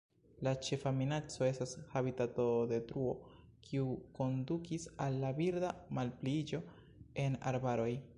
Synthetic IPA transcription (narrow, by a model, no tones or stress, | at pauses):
lat͡ʃe̞faminat͡so̞e̞stashaβitato̞de̞tɾuo̞ | kʰiuko̞ndukisalːabiɾdamalplid͡ʒo̞ | e̞na̰ɾbaɾo̞j